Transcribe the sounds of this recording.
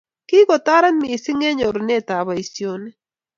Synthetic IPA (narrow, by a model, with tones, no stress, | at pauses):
ki˦kɔ˨t̪a˦ɾa˦nmi˨sɪ˦ŋɛ˦ɲo˨ɾne˦˨t̪a˨βa˨i˨sjo˦nɛ˦